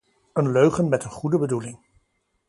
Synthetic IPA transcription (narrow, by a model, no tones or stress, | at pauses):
ənløɥχənmɛtənχudəbədulɪŋ